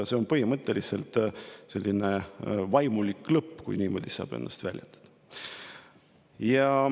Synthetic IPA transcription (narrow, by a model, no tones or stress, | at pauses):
se̞o̞npɤhimɤt̪ˑːeliselt̪se̞lʲːinevɑjmulikːˑlɤpːkujniːmo̞̰d̪̥isɑ̰ːb̥e̞̰nːɑ̰st̪vælʲjḛnd̪̥ɑ̥d̪̥ | jɑ